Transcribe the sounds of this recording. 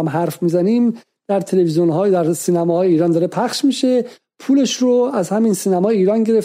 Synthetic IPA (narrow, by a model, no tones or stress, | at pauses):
mɦæɾfmizænim | d̪̥æɾt̪ʰe̞levizjonɦɒːd̪æɾsiːnæmɒːhɒːjeiːɾɒːnd̪ɒːɾe̞pʰæχʃmiʃe̞ | pʰuːle̞ʃɾoæzhæmiːnsiːnæmɒːjeiːɾɒːnɟe̞ɾef